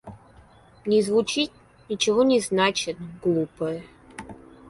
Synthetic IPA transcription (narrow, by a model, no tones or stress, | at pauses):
nʲɪzvut͡ɕit̪̚ | nʲit͡ɕɪvonʲɪznat͡ɕɪt̪ɡlˠupə